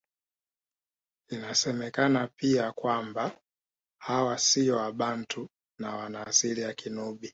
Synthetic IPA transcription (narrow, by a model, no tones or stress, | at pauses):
inasɛmɛkanapiakwamba | hawasiɔaɓantʰu | nawanaːsiliakʰinuɓi